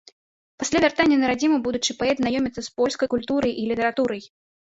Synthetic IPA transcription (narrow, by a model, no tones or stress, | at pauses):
pasʲlʲavʲart̪anʲːɐnɐɾad͡zʲimɨbud̪ut͡ʂɨpaɛt̪znajɔmʲit̪sːɐspɔlʲskɐjkulʲt̪uɾɐjʔilʲit̪ɐɾat̪uɾɐj